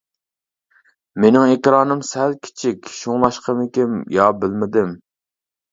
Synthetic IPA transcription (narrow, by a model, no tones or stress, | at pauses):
menɪŋekʲɾɑːnɨmsælkʲʰɪ̥t͡ʃʰikʲʃuŋlˠɑʃqʰəmɪkʲɪmjɑːbɪlmɪd̪ɪm